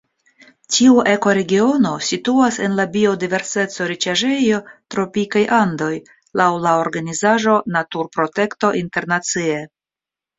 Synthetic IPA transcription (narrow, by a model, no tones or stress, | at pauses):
tʰiuʔe̞ko̞ɾe̞ɡio̞no̞situase̞nlabio̞dive̞ɾse̞t͡so̞ɾit͡ʃaʒe̞jo̞tɾo̞pikajʔando̞j | lawlaoɾɡanizaʒo̞natuɾpɾo̞te̞kto̞ʔinte̞ɾnat͡sie